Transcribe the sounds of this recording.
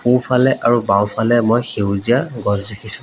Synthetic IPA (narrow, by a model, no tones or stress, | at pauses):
pũpʰalɛʔaɹubãw̃pʰalɛmojxewzijaɡɔzdekʰisʊ̥̃